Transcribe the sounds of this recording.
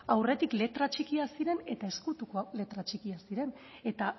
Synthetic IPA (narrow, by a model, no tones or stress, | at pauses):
awre̞t̪ikle̞t̪ɾat͡ʃikiasiɾe̞ne̞t̪ae̞skut̪ukoale̞t̪ɾat͡ʃikiasiɾe̞n | e̞t̪a